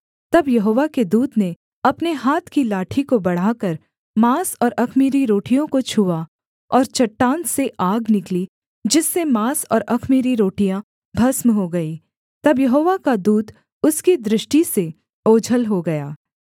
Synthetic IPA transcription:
t̪ɐbjɐɦoːʋaked̪uːd̪ne | ɐpneɦaːt̪ʰkilaːʈʰikobɐɽ̤aːkɐɾ | maːsɔːɾɐkʰmiːɾiɾoːʈijõkot͡ʃʰuːa | ɔːɾt͡ʃɐʈːãːnt̪seʔaːɡnɪkli | d͡ʒɪsːemaːsɔ̰ːɾɐkʰmiːɾiɾoːʈijã | bʱɐsmɦoɡɐi | t̪ɐbjɐɦoːʋakad̪uːd̪ | ʊskid̪ɾɪʃʈise | oːd͡ʒʱəlɦoɡɐjaː

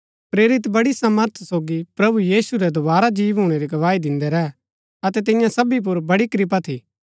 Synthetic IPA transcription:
pɾeːɾɪt̪bɐɽisɐməɾt̪ʰsoːɡipɾɐbujiːsuɾɛd̪obaːɾad͡ʒiːʋɦuːɽ̃eɾiɡɐʋaːid̪ɪ̃nd̪ɛɾɛɦɛ | ɐt̪ɛt̪̬ɪ̃jãsɐbip̬ʊɾbɐɽikɾɪp̬at̪ʰiː

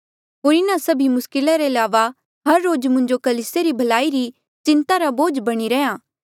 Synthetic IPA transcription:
ɦoːɾɪnasɐbʱimʊskɪlaɾeɐlaːʋa | ɦɐɾːoːd͡ʒmʊ̃ɲd͡ʒokɐliːseɾibʱɐlaːiɾi | t͡ʃɪ̃nt̪aɾaboːd͡ʒbɐɽ̃iɾɛjãː

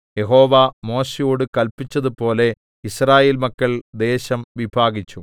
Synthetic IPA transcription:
je̞ɦo̞ːʋamo̞ːɕejuːɽɨkɐlpit͡ɕːɐðɨpo̞ːle̞ | israːje̞ːlmɐkːɐɭd̪e̞ːɕɐmʋibʱaːɡit͡ɕːu

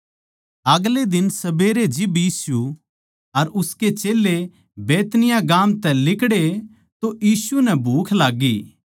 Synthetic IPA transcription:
ɐɡled̪ɪnsɐbeːɾed͡ʒɪbjiːsu | ɐɾʊsket͡ʃeːle | beːt̪nɪjãɡaːmt̪ɛlɪkɽe | t̪ojiːsunɛbʱuːkʰlaːɡːiː

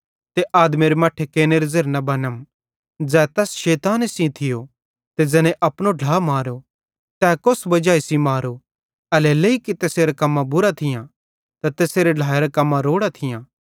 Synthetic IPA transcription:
t̪eʔaːd̪meɾemɐʈʰːekeːneɾezeːɾnɐbɐnəm | d͡zɛːt̪ɛːsʃeːt̪aːnesĩt̪ʰɪjo | t̪ed͡zɛnẽʔɐpnoɖʱlaːmaːɾo | t̪ɛːkʊsbɐd͡ʒaːisimaːɾo | ɐlɛleikit̪eːseːɾakɐmːãbʊɾat̪ʰɪjã | t̪at̪eːseːɾeɖʱaːeɾakɐmːãɾoːɽat̪ʰɪjãː

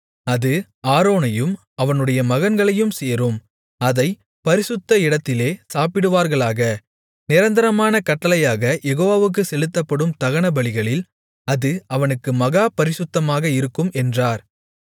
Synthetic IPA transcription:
ɐðɯ | aːɾoːnɐjɯm | ɐʋɐnɯɽɐjɐmɐɣɐnɡɐɭɐjɯmseːɾɯm | ɐðɐɪ | pɐɾɪsɯt̪ːɐɪɽɐt̪ːɪleːsaːpɪɽɯʋaːɾɣɐɭaːɣɐ | nɪɾɐnd̪ɐɾɐmaːnɐkɐʈːɐlɐjaːɣɐjɛɣoːʋaːʋɯk̬ːɯsɛlɯt̪ːɐpːɐɽɯmt̪ɐɣɐɳɐbɐɭɪɣɐɭɪl | ɐðɯɐʋɐnɯkːɯmɐɣaːpɐɾɪsɯt̪ːɐmaːɣɐɪɾɯkːɯmɛndraːɾ

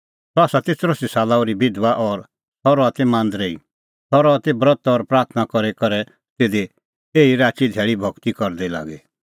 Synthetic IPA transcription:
t̪ɔaːsat̪ɪt͡sɾosisaːlaːuɾibɪd̪ʋaʔɔɾ | t̪ʰɔɾɔat̪emãːnd̪ɾei | t̪ʰɔɾɔat̪ebɾɔt̪ɔɾpɾaːɾt̪ʰnakɔɾekɐɾɛ | t̪eːd̪e | eːiɾaːt͡ʃid̪ʱɛːɭibʱɔkt̪ikɔɾd̪ɛla̰ːɡe

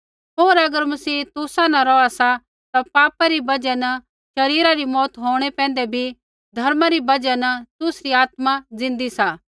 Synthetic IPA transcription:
ɦoːɾɐɡəɾmɐsiːt̪ʊsãnɐ̃ɾɔːasa | t̪apaːpaɾibɐd͡ʒɛnɐ | ʃɐɾiːɾaɾimɔːt̪ɦoːɽ̃epɛ̃ːnd̪ebʱi | d̪ʱɐɾmaɾibɐd͡ʒanɐt̪ʊsɾiaːt̪mad͡zɪ̃nd̪isaː

